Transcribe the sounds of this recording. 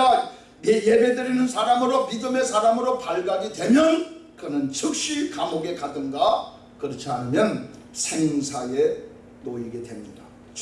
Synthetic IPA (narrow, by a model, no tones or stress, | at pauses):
a | meje̞be̞dɯɾinɯnsʰaɾamɯɾopidɯme̞sʰaɾamɯɾopaɭɡaɡidwe̞mjʌnkɯnɯnt͡ɕʰɯk̚ɕ͈ikamoɡe̞kadɯnɡa | kɯɾɯt͡ɕʰiɦanmjʌn | sʰeŋiŋsʰaje | noiɡe̞dwe̞mɲida